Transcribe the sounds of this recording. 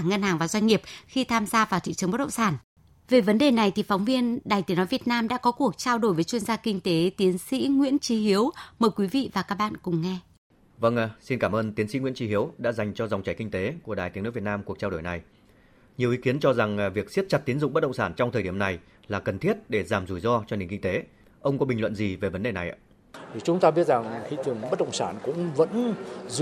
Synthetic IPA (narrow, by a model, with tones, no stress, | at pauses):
ŋə˧nhaː˨˩ŋvaː˨˩zwa˧ŋ̟ːi˨˩əp̚xi˧t̪ʰaː˧mzaː˧vaː˨˩wt̪ʰḭ˧˨t͡ɕɨ˨əŋɓə˦˥t̚ɗə̰˧˨ŋ͡msaː˧˩n | ve˨˩və˨˦nɗe˨˩na˨˩jt̪ʰi˨˩fɔ˨˦wŋ͡mvi˧ənɗaː˨˩jt̪i˨˦nɔ˨˦jvi˨˩ət̚naː˧mɗa̰ː˧˥kɔ˨˦ku˨˩ək̚t͡ɕaː˧wɗo˧˩jvə˨˦jt͡ɕwi˧ənzaː˧kï˧ŋ̟t̪e˨˦t̪i˨˦ənsḭ˧˥ŋwḭ˧˥ənt͡ɕi˨˦ɦi˨˦əwməː˨˩jkwi˨˦vḭ˧˨vaː˨˩kaː˦˥k̚ɓa̰ː˧˨nkʊ̰˨˧˩ŋ͡mŋɛ˧ | və˧ŋ˧si˧nkaː˧˩mʔəː˧nt̪i˨˦ənsḭ˧˥ŋw̰ənt͡ɕi˨˦hi˨˦əwɗa̰ː˧˥za˨˩jŋ̟t͡ɕɔ˧za˨˩wŋ͡mt͡ɕa˨˧˩jkï˧ŋ̟t̪e˨˦ku˧˩əɗaː˨˩t̪i˨˦nɨ̰˧˥vt̚naː˧mku˨˩ək̚t͡ɕaː˧wɗo˧˩jna˨˩j | ɲi˨˩əwʔi˨˦ki˨˦ənt͡ɕɔ˧za˨˩ŋvi˨˩ək̚si˦˥t̚t͡ɕa˨˩t̚t̪i˨˦ənzʊ̰˧˨ŋ͡mɓə˦˥t̚ɗə̰˧˨ŋ͡msaː˧˩nt͡ɕɔ˧wŋ͡mt̪ʰəː˨˩ɗi˧˩əmna˨˩j | laː˨˩kə˨˩nt̪ʰi˦˥ət̚ɗe˧˩zaː˧˩mzu˧˩jzɔ˧t͡ɕɔ˧ni˨˩ŋki˧ŋt̪e˨˦ | ʔə˧wŋ͡mkɔ˨˦ɓi˨˩ŋ̟lwə̰˧˨nzi˨˩ve˨˩və˨˦nɗe˨˩na˨˩jʔ | t̪ʰi˨˩t͡ɕʊ˨˦ŋ͡mt̪aː˧ɓi˦˥ət̚za˨˩ŋxḭ˧t̪ɨ˨˩əŋə˦˥t̚ɗə̰˧˨wŋ͡msaː˧˩nkʊ̰˧˥ŋ͡mvə̰˧˥nz